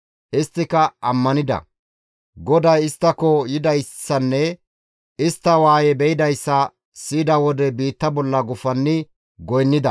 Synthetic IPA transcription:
ʔɪst̪ːɪkɐɐmːɐnɪd̪ɐ̰ | ɡɔd̪ɐjɪst̪ːɐkɔjɪd̪ɐjsːɐnːɛ | ɪst̪ːɐwaːjɛbɛjɪd̪ɐjsːɐ | siːd̪ɐwɔd̪ɛbiːt̪ːɐbɔlːɐɡʊfɐnːɪ | ɡɔjnːɪd̪ɐ̰

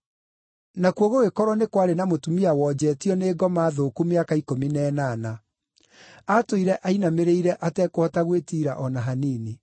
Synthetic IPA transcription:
nakuoɣoɣekɔɾwɔnekwaɾenamotumiawɔd͡ʑɛtiɔneːɡɔmaːðokumeakaikominɛːnana | atoiɾɛʔainameɾeiɾɛʔatɛkohɔtaɣwetiːɾaʔɔnaɦaniːne

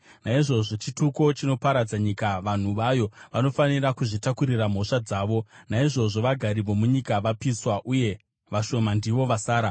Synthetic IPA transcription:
naiʐo̞ʐo̞t͡ʃituko̞t͡ʃino̞paɾad͡zaɲikaʋan̤uʋajo̞ʋano̞fanirakuʐitakuɾiram̤o̞ʂad͡zaːʋo̞naiʐo̞ʐo̞ʋaɡʱaɾiʋo̞muɲikaʋapiswaʔuje̞ | ʋaʃo̞mandiʋo̞ʋasaːɾa

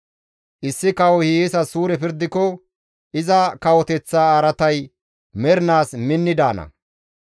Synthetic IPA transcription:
ʔɪsːɪkɐwɔhijeːsɐsuːɾɛpɪɾd̪ɪkːɔ | ʔɪzɐkɐwɔt̪ɛt͡sːaːɾɐt̪ɐj | mɛɾnaːsmɪnːɪd̪aːnɐ̰

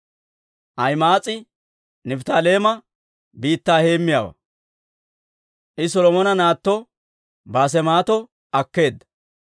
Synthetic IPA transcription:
ʔɐjmaːt͡sʼɪ | nɪft̪aːle̞ːmɐ | biːt̪ːaːhe̞ːmːɪja̰ːwɐ̰ | ʔɪs̬ɔlɔmɔnɐnaːt̪ːɔ | baːs̬ɛmaːt̪ɔ | ɐkːe̞ːd̪ːɐ̥

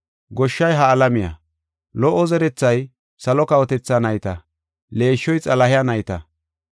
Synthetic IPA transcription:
ɡɔʃːɐjɦɐːlɐmɪjɐ̰ | lɔʔɔzɛɾɛt͡sːɐj | sɐlɔkɐwɔt̪ɛt͡sːanɐjt̪ɐ | le̞ːʃːɔjt͡sʼɐlɐhɪjɐnɐjt̪ɐ

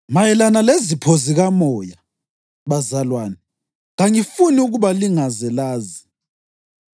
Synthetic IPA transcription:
majɛlanalezipʰoziɣamɔːja | βazalwaːnɛ | ŋaŋifuniuɣuβaliŋazɛlaːzi̥

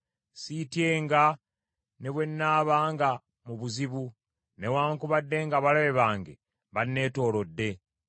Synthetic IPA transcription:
sitje̞ːŋɡa | ne̞βwe̞nːaːβaːŋɡa | muβuziβu | ne̞waːŋkuβadːe̞ːŋɡaβalaβe̞βaːŋɡe̞̰ | βanːe̞ːto̞ːlo̞dːe̞

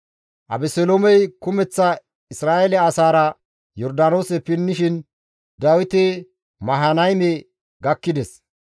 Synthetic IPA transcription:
ʔɐ̰bɛsɛloːmɛjkʊmɛt͡sːɐ | ɪsɾaːʔelɛɐsaːɾɐ | jɔɾd̪anoːsɛpɪnːɪʃɪn | d̪ɐwɪt̪e | mɐɦɐnɐjmɛ | ɡɐkːɪd̪ɛs

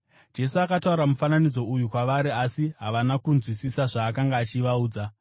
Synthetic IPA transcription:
d͡ʒe̞suakatauɾamufananid͡zo̞ujukwaʋaɾiasiɦaʋanakunzwisisaʐaːkaŋɡaːt͡ʃiʋauːd͡za

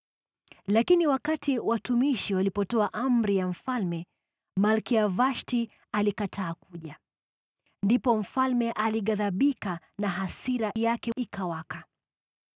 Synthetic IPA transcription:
lakiniwakatiwatumiʃiwalipɔtɔaʔam̩ɾijam̩falmɛ | malkiavaʃti | alikatʰaːkuʄa | ndipɔm̩falmɛʔaliɠaðaɓika | naɦasiɾajakɛikʰawaka

